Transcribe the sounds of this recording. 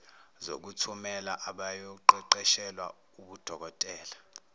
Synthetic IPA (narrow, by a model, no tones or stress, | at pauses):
zo̰k̬utʰumɛlaʔaɓajɔǃɛǃɛʃɛlwa̰ | uɓud̥ʱɔk̬ɔtʼɛːla